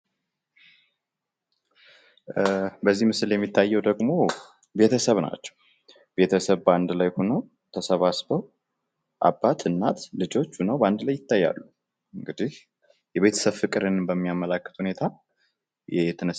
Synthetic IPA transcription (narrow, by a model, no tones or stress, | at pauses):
bəzːihmɨsɨljɛmːit̪ʰːajːɛwd̪əɡmo̞ | be̞t̪ʰəsəβna̰t͡ʃːɛ̥w | b̥e̞t̪ʰəsəβband̪lajhunəw | t̪ʰəsəβasbəw | ʔa̰bːat̪ʰɨnːat̪lɨd͡ʒo̞t͡ʃːhunəwband̪lajːɪt̪ːajːa̰lːu | ɨŋɡɨd̪ih | jɛβe̞t̪ʰə̥səβfɨkʼɨɾənbəmːijaməlakːət̪hune̞t̪ʰa | jɛt̪ʰɨnɨ